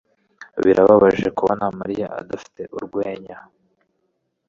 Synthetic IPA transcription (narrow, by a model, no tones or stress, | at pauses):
βiɾʔaβaβaʒe̞kuβonamaɾijaa̰dafi̥te̞ʔuɾɡwe̞ːɲa